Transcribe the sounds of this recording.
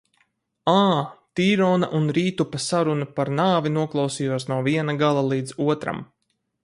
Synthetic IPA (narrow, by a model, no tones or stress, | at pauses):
aːt̪iːɾɔːna̰ʔunɾiːt̪upasaɾunpaɾnaːvinuɔklˠɑwsiːjuɔsnawviɛnaɡalˠalˠiːd̪zuɔt̪ɾa̰m